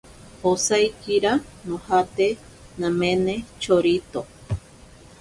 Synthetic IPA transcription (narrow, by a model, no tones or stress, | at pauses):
osajkiɾanõhat̪e | nãmenet͡ʃoɾit̪o